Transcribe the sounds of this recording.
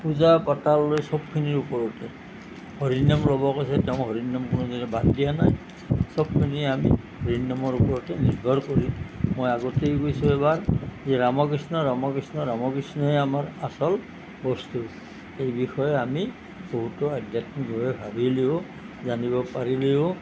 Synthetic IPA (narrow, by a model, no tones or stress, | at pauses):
puzapɔtalːojsɔb̚kʰiniɹupɔɹɔtɛ | hɔɹinamlɔbɔkojsɛtɛʊ̃ɦɔɹinːɔmkʊnuzɔnɛbatdijanaj | sɔb̚kʰiniami | ɦɔɹinːɔmɔɹupɔɹɔtɛniɹbʱɔɹkoɹimojaɡotejkojsʊ̃ɛβaɹzɛɹamɔkɹisnɔɹamɔkɹisnɔɹamɔkɹisnɔɛamaɹasɔl | bɔstu | ejbixɔjɛami | boɦutɔadjatnibʱɔɹɛbʱabʱileʊ | zanibɔpaɹileʊ